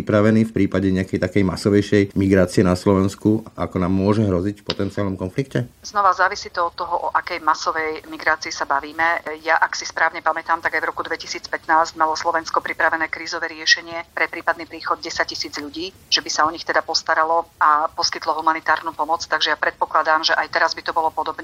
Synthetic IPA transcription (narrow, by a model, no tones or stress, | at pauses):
ipɾaʋɛniːfpɾiːpaɟɛɲɛakɛjt̪akɛjmasɔʋɛjʃɛjmiɡɾaːt͡siɛnaslɔʋɛnskuʔa̰kɔnaːmːʊɔʒɛɦɾɔzicfpɔt̪ɛntt͡sialnɔmkɔnflikcɛznɔʋazaːʋisiːt̪ɔɔt̪ːɔɦɔʔɔʔakɛjmasɔʋɛjmiɡɾaːt͡siisabaʋiːmɛjaʔaksispɾaːʋɲɛpamɛt̪aːmt̪aɡajvɾɔkud̪ʋɛcisiːt͡spɛt̪naːzɟmalɔslˠɔʋɛnskɔpɾipɾaʋɛnɛːkɾiːzɔʋɛːɾɪɛʃɛɲɪɛpɾɛpɾiːpad̪niːpɾiːxɔd̪̚ɟɛsac̚cːisiːd͡zʎuɟiː | ʒ̥ɛbisaɔɲixt̪ɛd̪apɔst̪aɾalɔapɔskit̪lɔɦumanit̪aːɾnuːpɔmɔt͡st̪aɡʒɛjapɾɛt̪̚pɔklad̪aːmʒɛʔajt̪ɛɾazbit̪ɔbɔlɔpɔd̪ɔbɲɛ